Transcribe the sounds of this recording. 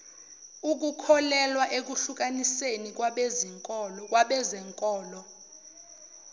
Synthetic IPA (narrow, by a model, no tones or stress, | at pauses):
uk̬ukʰɔlɛlwaʔek̬uɬuk̬anisenik̬waɓeziŋkʼɔːlɔk̬ʼwaɓɛzɛŋkʼɔːlɔ